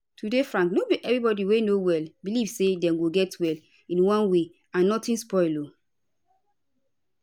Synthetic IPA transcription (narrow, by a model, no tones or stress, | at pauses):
tʰudefɹãŋknobiʔɛvɹibɔdiwenowɛlbilivsedɛ̃mɡoɡɛtwɛl | ĩnwɔ̃nwe | ãnːɔtĩnspɔɪlo